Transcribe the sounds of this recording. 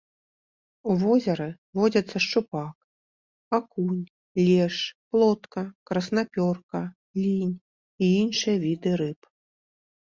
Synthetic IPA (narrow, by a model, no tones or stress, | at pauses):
uvɔzʲɐɾɨ | vɔd͡zʲɐt̪sːɐʂt͡ʂupak | akunʲ | lʲɛʂplˠɔt̪kɐkɾɐsnapʲɔrkɐ | lʲinʲ | iinʂɨjɐvʲid̪ɨɾɨp